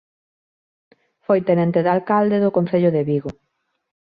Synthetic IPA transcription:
fojt̪enẽnt̪eðalkald̪eðʊkõnθeʎʊðeβiɣʊ

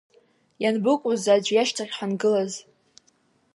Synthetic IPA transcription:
janbɨkʷʼuzad͡ʒʷjaʃtʰaʁʲħʷanɡɨlaz

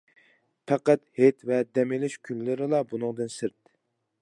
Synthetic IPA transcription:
pʰɛqæt̪het̪vɛd̪ɛmɪlɪʃkʲʰynːɪɾɪlˠɑbunɨŋd̪ɨnsɨɾt̪ː

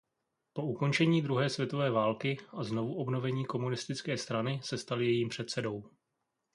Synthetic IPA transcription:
po̞uko̞nt͡ʃɛɲiːd̪ɾuɦɛːsvjɛt̪o̞vɛːvaːlkɪaznovuʔo̞bno̞vɛɲiːko̞munɪst̪ɪt͡skɛːst̪ɾanɪsɛst̪alɪjɛjiːmpr̝̥ɛt̪sɛdo̞w

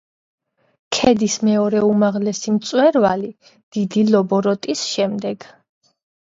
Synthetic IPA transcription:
kʰɛd̪ismɛɔɾɛumaʁlɛsimt̪sʼwɛɾvali | d̪̥id̪ilɔbɔɾɔt̪ʼisʃɛmd̪ɛɡ̥

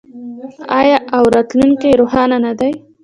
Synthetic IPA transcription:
ɑjɑʔawɾɑt̪luŋkeɾoxɑnanad̪aj

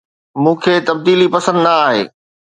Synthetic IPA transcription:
mũːkʰeːt̪ɐb̚d̪iːlipɐsə̃nd̪naaːɦḛː

